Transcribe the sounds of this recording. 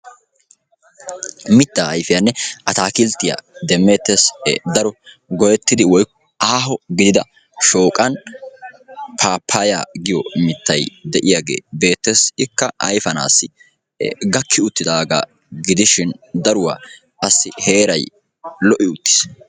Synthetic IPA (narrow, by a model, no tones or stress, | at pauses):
mɪt̪ːaːɐjfɪjɐnːɛʔɐt̪aːkɪlt̪ːɪja̰d̪ɛmːe̞ːt̪ːesd̪ɐɾɔ | ɡɔjɛt̪ːɪd̪ɪwɔjkːɔ | aːɦɔɡɪd̪ɪd̪ɐ | ʃo̞ːkʼɐn | pʰaːpʰːaːja̰ːɡɪjɔmɪt̪ːɐjd̪ɛʔɪjaːɡḛːbe̞ːt̪ːeːsɪkːɐʔɐ̰jfɐna̰ːsːɪ | ɡɐkːɪʊt̪ːɪd̪aːɡa̰ | ɡɪd̪ɪʃɪnd̪ɐɾʊwa̰ː | ɐsːɪhe̞ːɾɐj | lɔʔɪʊt̪ːɪ̥s